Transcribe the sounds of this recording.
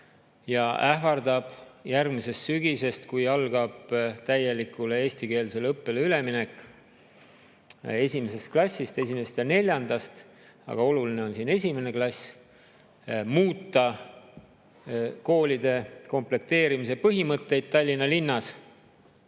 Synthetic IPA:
jɑæɦvɑrd̪ɑb̥jærɡmise̞st̪syɡ̥ise̞st̪kujɑlɡ̥ɑb̥t̪æje̞likːˑule̞e̞ːsʲt̪ike̞ːlse̞lɤpːe̞leyle̞minekːˑ | e̞sʲimese̞st̪̚klɑsʲːist̪e̞sime̞st̪jɑne̞lʲjɑnd̪̥ɑst̪ | ɑ̰ɡ̥ɑo̞luline̞o̞nsiːne̞sʲime̞ne̞klɑsʲ | muːt̪ːˑɑ | ko̞ːlʲid̪̥e̞ko̞mple̞k̚t̪e̞ːɾimise̞pɤɦimɤt̪ːe̞jd̪̥̚t̪ɑlʲːinːɑlinːɑs

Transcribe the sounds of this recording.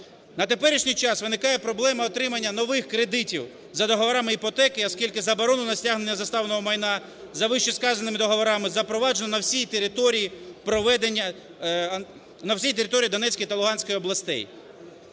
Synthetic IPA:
nɐt̪e̞pɛɾʲiʃnʲijt͡ʃɑsʋɪnɪkɑjɛpɾɔblˠɛmɐɔt̪ɾɪmɐnʲːɐnɔʋɪxkɾed̪ɪtʲiw | zɐd̪ɔɦɔʋɔɾɑmɪipɔt̪ɛkɪɔskʲilʲkɪzɐbɔɾɔnʊnɐsʲtʲaɦnenʲːɐzɐst̪ɑʋnɔɦɔmɐjnɑ | zɐʋɪʃt͡ʃiskɑzɐnːɪmɪd̪ɔɦɔʋɔɾɑmɪzɐpɾɔʋɑd͡ʒenɔnɐwsʲijt̪eɾɪt̪ɔɾʲijipɾɔʋɛd̪enʲːɐ | nɐwsʲijt̪eɾʲɪt̪ɔɾʲijid̪ɔnɛt͡sʲkɔjt̪ɐlˠʊɦɑnʲsʲkɔjiɔblˠɐst̪ɛ̰j

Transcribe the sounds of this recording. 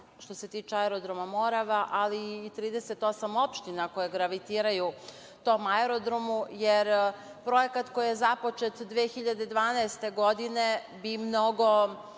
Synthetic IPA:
ʃt̪o̞se̞t̪iːt͡ʂeaeɾod̪ɾomamo̞ɾaʋaʔaliːt̪ɾiːd̪e̞se̞t̪o̞samo̞pʃt̪inako̞jeɡɾaʋit̪iːɾaju | t̪o̞ːmaeɾod̪ɾomujeɾ | pɾo̞je̞kat̪ko̞jije̞zapo̞t͡ʃet̪d̪ʋeːxiʎad̪ed̪ʋaːnaest̪e̞ɡo̞d̪ine̞ | bimno̞ɡo̞

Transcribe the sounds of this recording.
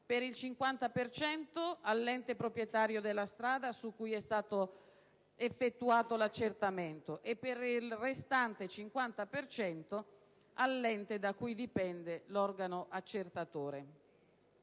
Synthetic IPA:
peɾilt͡ʃiŋkwant̪apert͡ʃɛnt̪oalːɛnt̪epɾopɾjet̪aːɾjod̪elːast̪ɾaːd̪asukːujɛst̪aːt̪o | efːet̪ːuaːt̪olat͡ʃːert̪ament̪oʔepːerilrest̪ant̪et͡ʃiŋkwant̪apert͡ʃɛnt̪o | alːɛnt̪ed̪akːujd̪ipɛnd̪elɔrɡanoʔat͡ʃːert̪at̪oːɾe

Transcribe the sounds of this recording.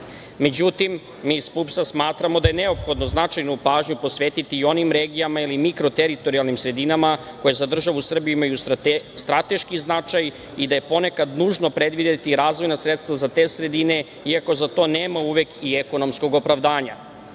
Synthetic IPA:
me̞d͡ʑut̪imː | iːspupsasmaːt̪ɾamo̞d̪aje̞ne̞o̞pxo̞d̪noznat͡ʃajnopaːʒɲupo̞sʋeːt̪it̪iːo̞nimɾe̞ːɡijamailimikɾo̞t̪e̞ɾit̪o̞ɾialˠnimsɾe̞d̪inamako̞jezad̪r̩ʒaʋusr̩bijuimajust̪ɾat̪e̞ʃkiznat͡ʃaj | id̪aje̞po̞ne̞kad̪nuːʒno̞pɾe̞d̪ʋid̪et̪iɾaːzʋo̞jnasɾet̪st̪ʋazat̪e̞ːsɾe̞d̪ine̞ | iako̞zat̪o̞ːneːmauʋe̞kieko̞no̞msko̞ɡo̞pɾaʋd̪aːɲa

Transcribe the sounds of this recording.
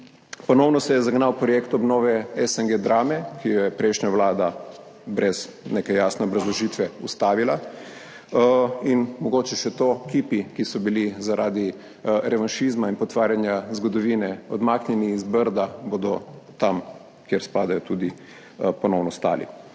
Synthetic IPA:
pɔnɔwnɔsɛjɛzaɡnawpɾɔjekt̪ɔbnoːʋɛɛsɛŋɡed̪ɾaːmɛkijɔjɛpɾɛjʃɲaʋlaːd̪a | bɾɛz | nekɛjaːsnɛɔbɾazlɔʒiːt̪ʋɛust̪aːʋila | inmɔɡoːt͡ʃɛʃɛt̪okipikisɔbilizaɾʔaːd̪i | ɾɛʋanʃizmainpɔt̪ʋaːɾjanjazɡɔd̪ɔʋiːnɛɔd̪maːknjɛniːzbəɾd̪abod̪ɔt̪am | kjɛɾspaːd̪ajɔt̪ud̪i | pɔnɔwnɔst̪a̰ːlḭ

